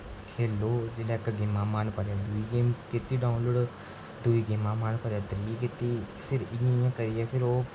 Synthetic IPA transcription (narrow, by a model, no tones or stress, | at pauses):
kʰeːloːd͡ʒeːlɛːkəɡeːmãːmaːnpəɾaːd̪uiɡeːmkɪt̪iːɖaːʊ̃nloːɖ | d̪uːiːɡeːmãːmaːnpəɾaːt̪əɾikɪt̪iːpʰɪɾɪjãːɪjãːkəɾɪjapʰɪɾoː